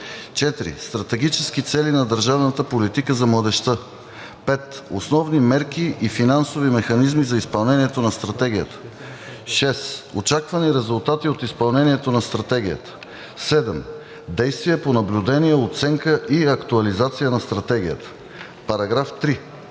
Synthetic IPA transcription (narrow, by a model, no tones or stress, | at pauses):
t͡ʃɛt̪ɾḭst̪ɾɐt̪ɛɡit͡ʃɛskit̪sɛlinɐd̪əɾʒavnət̪əpolit̪ikəzɐmlˠəd̪ɛʃt̪ə | pɛt̪o̰snɔvnimɛɾkiʔifinansovimɛxɐnizmizɐispɐlˠnɛniɛt̪onɐst̪ɾɐt̪ɛɡʲijət̪ə̥ | ʃɛsot͡ʃakvɐniɾɛzulˠt̪at̪iot̪ispɐlˠnɛniɛt̪onɐst̪ɾɐt̪ɛɡʲijə̰t̪ə̥ | sɛd̪ɛm | d̪ɛjst̪viɛponɐblʲud̪ɛnijɛot̪sɛŋkəʔiɐkt̪uɐlizat̪sijənɐst̪ɾɐt̪ɛɡ̟ʲijə̰t̪ə̥ | pɐɾɐɡɾaft̪ɾi